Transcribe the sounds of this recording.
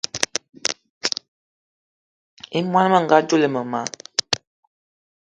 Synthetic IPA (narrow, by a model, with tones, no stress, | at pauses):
e˦mwa˦n˦mə˦˨ŋ̩˨ɡa˦d͡ʒo˦le˨mə˨ma˨˦